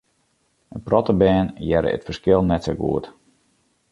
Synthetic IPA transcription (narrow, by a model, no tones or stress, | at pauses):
ənprɔtəbɛːnjɛɾə̰ə̰tfərskɪlˠnɛtsoɡṵət